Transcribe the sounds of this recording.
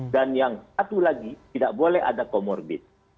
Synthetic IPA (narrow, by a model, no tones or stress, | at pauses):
danjaŋsat̪ulaɡit̪idaʔbolɛha̰dakomɔrbɪt̪̚